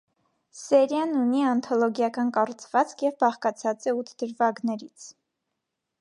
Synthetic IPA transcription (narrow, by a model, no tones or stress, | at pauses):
sɛɾjɑnuniɑnt̪ʰɔlɔɡjɑkɑnkɑrut͡sʰv̥ɑt͡skʰjɛvbɑχkɑt͡sʰɑt͡sɛut̪ʰd̪̥əɾvɑɡnɛɾit͡sʰ